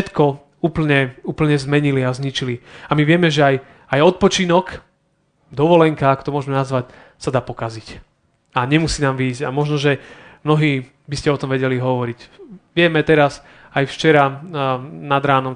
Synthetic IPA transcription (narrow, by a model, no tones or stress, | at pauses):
ɛt̪kɔ | uːpl̩ɲɛuːpl̩ɲɛzmɛɲiliazɲit͡ʃiliamiʋɪɛmɛʒɛaj | ajɔt̪̚pɔt͡ʃinɔk | d̪ɔʋɔlɛŋkaakɔ̥t̪ɔmʊɔʒmɛnazʋac | sad̪aːpɔkazic | aɲɛmusiːnaːmʋiːzɟamɔʒnɔʒɛmnɔɦiː | biscɛɔt̪ɔmʋɛɟɛliɦɔʋɔɾicʋɪɛmɛt̪ɛɾas | ajft͡ʃɛɾa | nad̪ɾaːnɔm